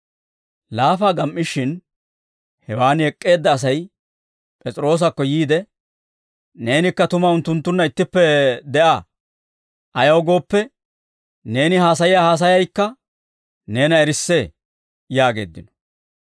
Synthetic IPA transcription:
laːfaɡɐmʔɪʃɪn | hɛwaːnɛkʼːe̞ːd̪ːɐːs̬ɐj | pʼɛt͡sʼɾo̞ːs̬ɐkːɔjiːd̪ɛ | ne̞ːnɪkːɐt̪ʊmɐʊnt̪ːʊnt̪ːʊnːɐɪt̪ːɪpːɛd̪ɛʔɐ | ʔɐjɐwɡo̞ːpːɛ | ne̞ːnɪɦaːs̬ɐjɪjaːhaːs̬ɐjɐjkːɐ | ne̞ːnɐɛɾɪsːe̞ː | jaːɡe̞̰ːd̪ːɪnɔ̥

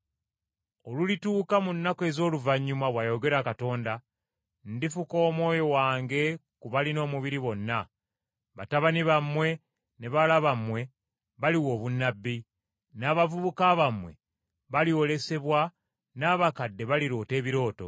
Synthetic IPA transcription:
o̞lulituːkamunːake̞ːzo̞ːluvaɲːumaβwajo̞ɡe̞ɾakato̞ːnda | ndifuko̞ːmwo̞ːjowaːŋɡe̞ | kuβalino̞ːmuβiɾiβo̞nːa | βataβaniβamwe̞ | ne̞βalaβamwe̞ | βaliwo̞ːβunːabːi | naːβavuβukaːβamwe̞̰ | βalio̞le̞se̞βwa | naːβakadːe̞βaliɾo̞ːte̞ːβiɾo̞ːto̞̰

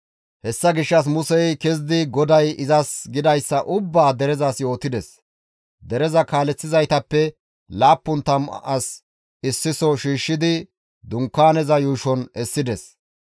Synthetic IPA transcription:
hɛsːɐɡɪʃːɐs̬mʊsɛjkɛzd̪ɪɡɔd̪ɐjɪzɐsɡɪd̪ɐjsːɐʔʊbːaːd̪ɛɾɛzasjo̞ːt̪ɪd̪ɛs | d̪ɛɾɛzɐkaːlɛt͡sːɪzɐjt̪ɐpːɛ | laːpːʊnt̪ɐmʔɐs | ɪsːɪsɔʃiːʃːɪd̪ɪ | d̪ʊŋkːaːnɛzɐjuːʃɔnɛsːɪd̪ɛs

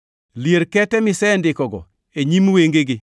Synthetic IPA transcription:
ljeɾkɛtɛmɪsɛndɪkɔɡɔ̰ | eɲimweŋɡeɡɪ

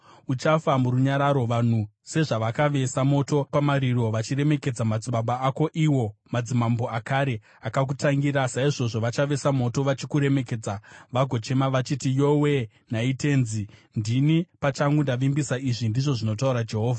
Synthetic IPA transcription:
ut͡ʃafamuɾuɲaɾaɾo̞ʋan̤use̞ʐaʋakaʋe̞samo̞to̞pamaɾiro̞ʋat͡ʃire̞me̞ke̞d͡zamad͡ziɓaɓaːko̞ʔiwo̞mad͡zimambo̞akaɾe̞ | akak̬utaŋɡiɾasaiʐo̞ʐo̞ʋat͡ʃaʋe̞samo̞to̞ʋat͡ʃikuɾe̞me̞ke̞d͡zaʋaɡʱo̞t͡ʃe̞maʋat͡ʃitijo̞we | naite̞ːnzi | ndinipat͡ʃaŋɡundaʋimbisaiʐindiʐo̞ʐino̞t̬auɾad͡ʒe̞ɦo̞ːvʱa

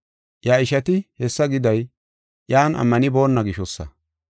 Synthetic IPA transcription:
ʔjaːɪʃɐt̪ɪhɛsːɐɡɪd̪ɐj | jaːnʔɐ̰mːɐnɪbo̞ːnːɐɡɪʃɔsːɐ̰

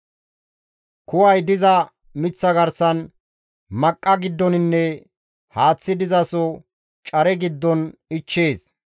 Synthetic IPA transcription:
kʊwɐjd̪ɪzɐ | mɪt͡sːɐɡɐɾsɐn | mɐkʼːɐɡɪd̪ːɔnɪnːɛ | haːt͡sːɪd̪ɪzɐsɔ | t͡ʃʼɐɾɛɡɪd̪ːɔnɪt͡ʃːe̞ːs

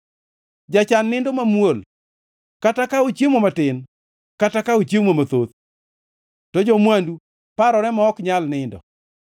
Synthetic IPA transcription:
d͡ʒat͡ʃanːɪndomamwol | katakaot͡ʃjemwomatɪn | katakaot͡ʃjemwomat̪ot̪ | tɔd͡ʒomwandu | paɾɔɾɛmɔɔkɲalnɪndɔ̰

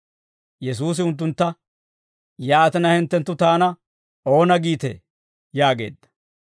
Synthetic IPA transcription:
jɛs̬uːs̬ɪʊnt̪̬ːʊnt̪ːɐ | jaːt̪ɛnɐhɪnt̪ːɛnt̪ːʊt̪aːnɐ | o̞ːnɐɡiːt̪ḛ | jaːɡe̞̰ːd̪ːɐ̥

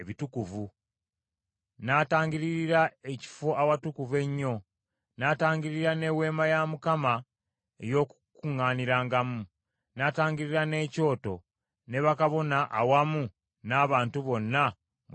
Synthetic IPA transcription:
eβitukuvu | nataːŋɡiɾiɾiɾaeci̥fo̞ʔawatukuve̞ɲːo̞ | nataːɲɡiɾiɾane̞we̞ːmajamukama | ḛjo̞ːku̥kuŋːaːniɾaːŋɡamu | nataːɲɡiɾiɾane̞ːco̞ːto̞ | ne̞βakaβo̞naʔawamu | naːβaːntuβo̞nːa | m

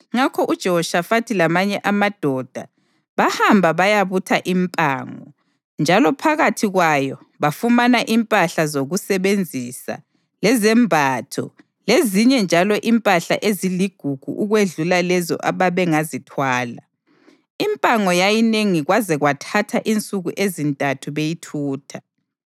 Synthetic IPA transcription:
ŋakʰɔʔud̥ʒ̥ʱɛhɔʃafatʰilamaɲɛʔamad̥ʱɔd̥ʱa | βahambʱaβajaβutʰaʔimpʼa̰ːŋɔ | nd͡ʒʱalɔpʰaɣatʰiɣwajɔ | βafumanaʔimpʼaɬazoɣusɛβend͡zʱisa̰ | lɛzɛmbʱaːtʰɔ̰ | leziɲɛnd͡ʒʱalɔʔimpʼaɬa̰ʔeziliɡ̥ʱuɡ̥ʱṵʔuɣweɮulalɛzɔ̰ʔaβaβɛŋazitʰwaːla | impʼaŋɔjajineŋiɣwazɛɣwatʰatʰaʔint͡sʼuɣuʔezintʼatʰuβejitʰuːtʰa

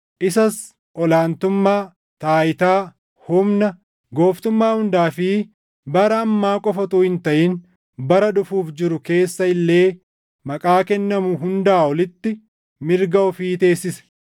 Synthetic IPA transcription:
ʔɪsɐs | ʔɔlaːnt̪ʊmːaː | t̪aːʔɪt̪aː | hʊmnɐ | ɡo̞ːft̪ʊmːaːhʊnd̪aːfi | bɐɾɐːmːaːkʼɔfɐt̪uːhɪnt̪ɐʔin | bɐɾɐᶑʊfuːfd͡ʒɪɾʊke̞ːsːɐɪlːe̞ː | mɐkʼaːkɛnːɐmʊɦʊnd̪aːɔlɪt̪ːɪ | mɪɾɡɐɔfiːt̪e̞ːsːɪsɛ̥

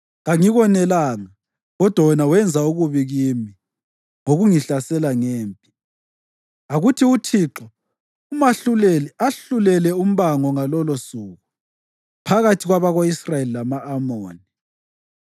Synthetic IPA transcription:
ɣaŋiɣɔnɛlaŋa | ɣɔd̥ʱwawɛnawɛnd͡zʱauɣuβiɣimi | ŋoɣuŋiɬasɛlaŋeːmpʼi | aɣutʰiutʰiːǁɔ | umaɬuleliaɬulɛlɛum̩βaŋɔŋalɔlosuːɣu | pʰaɣatʰiɣwaβaɣoisrajelilamaːmoːni

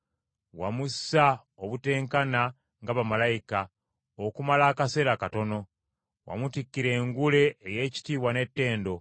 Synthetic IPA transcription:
wa̰musa | oβute̞ːŋkana | ŋɡaβamalaika | okumalaːkase̞ɾakato̞no̞ | wʔa̰mutikːiɾe̞ːŋɡule̞ʔːje̞ːci̥tiːβwane̞tːe̞ːndo̞

